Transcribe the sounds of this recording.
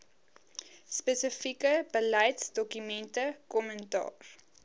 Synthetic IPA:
spəsəfikəbəlɐjtsdɔkymɛntəkɔməntɑ̰ːr

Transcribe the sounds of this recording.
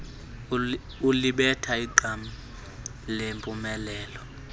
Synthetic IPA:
uliɓɛtʰaiǃʱami | lempʼumɛlɛːlɔ

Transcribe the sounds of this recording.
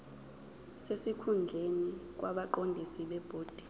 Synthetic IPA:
sesikʰund͡ɮʱenik̬ʼwʔaɓaǃondʱisiɓɛb̥ʱoːd̥ʱi̥

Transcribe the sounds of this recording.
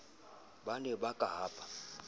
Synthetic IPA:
banɛbakʼaɦaːpʰʼḁ

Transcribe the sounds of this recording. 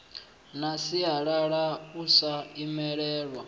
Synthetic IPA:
nasiaɺaɺausaimɛɺɛːɺwa

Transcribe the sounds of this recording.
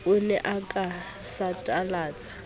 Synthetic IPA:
ʊnɛʔakʼa | satʼalaːt͡sʼḁ

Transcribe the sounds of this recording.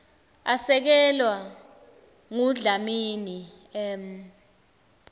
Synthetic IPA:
asɛk̬ɛlwa | ŋuɮamiːni | ɛm

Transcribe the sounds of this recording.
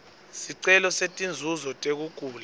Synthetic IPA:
siǀɛlɔsetʼind͡zʱuzɔtʼek̬ukʼuːla

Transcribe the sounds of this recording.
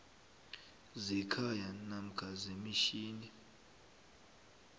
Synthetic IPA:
zikʰajanam̩kʰazemiʃiːni

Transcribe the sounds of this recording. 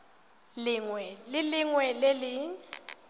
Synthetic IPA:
lɪŋwɛlɪlɪŋwɛlelɪ

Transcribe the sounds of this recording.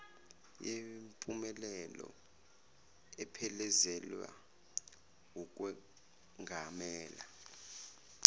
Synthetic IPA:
jempʼumɛlɛlɔ̰ | ɛpʰɛlɛzɛlwa̰ | uk̬ʼwɛ | ŋɡʱamɛːla

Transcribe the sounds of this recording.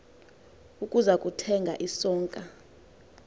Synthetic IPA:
ukʼuzakʼutʰɛŋɡʱaʔisɔːŋkʼa

